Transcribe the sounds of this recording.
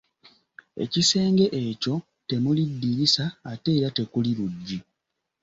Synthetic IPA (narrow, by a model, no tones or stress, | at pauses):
e̞̰cise̞ːŋɡe̞ʔeːco̞ | te̞mulidːiɾisaːte̞ːɾate̞kuliluɟːi